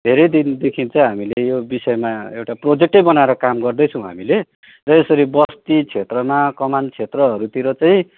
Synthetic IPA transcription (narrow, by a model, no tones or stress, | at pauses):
d̪ʱeɾʌjd̪ind̪ekʰint͡sʌĩɦamilejobisʌemaewʈaprod͡zek̚ʈʌjbʌnaeɾʌkamɡʌrd̪ʌjt͡sʰʌ̃w̃ɦa̰mile | rʌesʌɾibʌst̪it͡sʰet̪rʌmakʌmant͡sʰet̪rʌɦʌɾut̪iɾʌt͡saĩ